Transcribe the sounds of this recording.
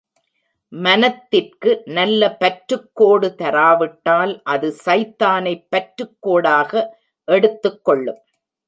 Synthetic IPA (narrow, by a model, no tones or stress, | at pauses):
mɐnɐt̪ːɪrkɯnɐlːɐpɐʈɾɯkːoːɽɯt̪ɐɾaːʋɪʈːaːlʔɐðɯsɐɪt̪ːaːnɐɪpːɐʈɾɯkːoːɽaːɣɐ | ʔɛɽɯt̪ːɯkːɔɭːɯm